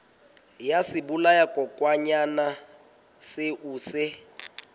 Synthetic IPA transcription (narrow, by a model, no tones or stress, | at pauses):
jasɪbulajakʼɔkʼwaɲana | sɪʔuːsɪ